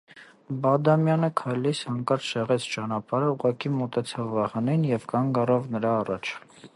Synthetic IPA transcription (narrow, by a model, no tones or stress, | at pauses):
bɑd̪ɑmjɑnəkʰɑjlisɑŋkɑɾt͡sʰʃɛʁɛt͡sʰt͡ʃɑnɑpɑɾəuʁɑkimɔt̪ɛt͡sʰɑvːɑhɑninjɛvkɑŋɡɑrɑvnəɾɑːrɑt͡ʃʰ